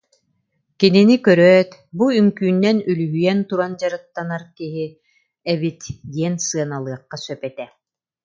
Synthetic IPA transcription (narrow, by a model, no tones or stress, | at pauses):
kininikœɾœːt̪buyŋkyːnːɛnylyɦyjɛnt̪uɾand͡ʑaɾɯt̪ːanaɾkiɦi | ɛβit̪j̪iɛnsɯɐnalˠɯɐqːasœpɛt̪ɛ